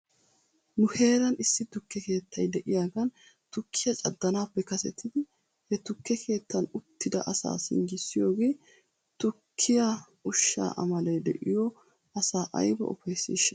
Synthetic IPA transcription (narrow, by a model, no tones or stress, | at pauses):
nʊhe̞ːɾɐnɪsːɪt̪ʊkːɛke̞ːt̪ʰːɐjd̪ɛʔɪjaːɡɐn | t̪ʊkʰːɪjɐt͡ʃʼɐd̪ːɐnaːpːɛkɐsɛt̪ːɪd̪ɪ | hɛt̪ʊkːɛkʰe̞ːt̪ːɐnʊt̪ːɪd̪ɐ̰ʔɐsa̰ːsɪ̰ŋɡɪsːɪjoːɡeː | t̪ʊkʰːɪja | ʊʃːa̰ːʔɐ̰mɐlɐjd̪ɛ̰ʔɪjɔ | ʔɐsaːʔɐ̰jbɔ̰ʔɔ̰fɐjsːḭːʃɐ